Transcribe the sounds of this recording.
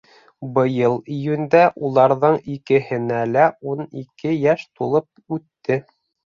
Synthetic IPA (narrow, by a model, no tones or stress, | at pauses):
bɤ̆jɤlˠĭjʉnd̪æʔulˠɑɾðɤɴikɘ̆hɘ̆nælæunikɘjæʃt̪ulˠɤp̚ʉt̪ːɘ